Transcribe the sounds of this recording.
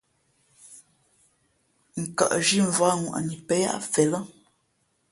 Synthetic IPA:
ŋ̩˨ka̰˨ʔʒi˦ɱ˨va˦ŋwʔa̰˨ni˨pɛ˦ja̰˦ʔfɛ˨lə˦

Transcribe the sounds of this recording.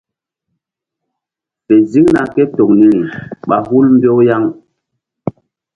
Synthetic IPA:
pe˨zi˦ŋna˨ke˦to˨kni˦ɾi˨ɓa˨ɦu˦lmbjo˦wja˦ŋ

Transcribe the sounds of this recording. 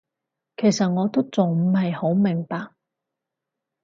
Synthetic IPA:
kʰe˨˩jsɐ˨t̚ŋɔː˨˧t̪o˥wt͡sʊ˨ŋm̩˨˩hɐ˨jho˨˥wmɪ˨˩ŋpaː˨k̚

